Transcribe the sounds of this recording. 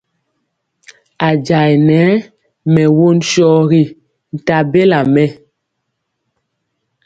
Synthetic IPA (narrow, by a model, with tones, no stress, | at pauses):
a˨d͡ʒa˨jnɛː˨˦ | mɛ˨wo˦˨nʃɔː˦ɣi˦ | n̩˨ta˨be˦la˨mɛ˦